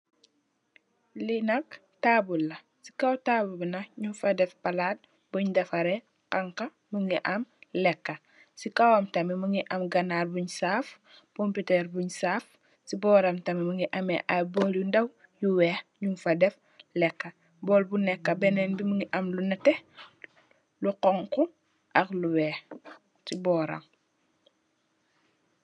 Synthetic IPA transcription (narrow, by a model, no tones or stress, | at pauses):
linɐk | taːbulːɐ | si̥kɐwtaːbubinɐɲumfɐdɛfpɐlaːt̚ | buɲdɐfɐɾɛ | kɐŋkɐ | məŋɡiʔɐmlɛkːɐ | sikɐwɐmtɐmiməŋɡiʔɐmɡɐnaːrbuɲsaːf | komputɛːɾbuɲsaːf | sibɔːɾɐmtɐmiməŋɡiʔɐmɛ̰ʔabɔljundɐw | juwɛːxɲuŋfɐdɛf | lɛkːɐ | bɔːlbunɛkːɐbɛnɛnbiməŋiʔɐmlunɐtɛ | luqɔŋku | ʔɐxluwɛːx | sibɔːɾɐ̰m